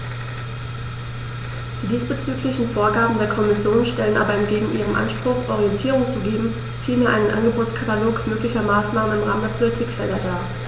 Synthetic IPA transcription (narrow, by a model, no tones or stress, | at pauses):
d̥iːsb̥ət͡syːklɪçn̩foːɐɡaːbm̩deːɐkʰɔmɪsjoːnʃtɛlənʔa̰ːbɐɛmɡeːɡŋ̩ʔiːʁ̞ənʔa̰nʃpʁ̥ʊχʔɔʁiɛntʰiːʁʊŋt͡suɡeːbm̩ | fiːlmeːɐʔaɪnənʔa̰nɡəboːt͡skʰataloːkmøːklɪçɐmaːsnaːmənɪmʁaːməndeːɐpʰolitʰiːkfɛldɐdaː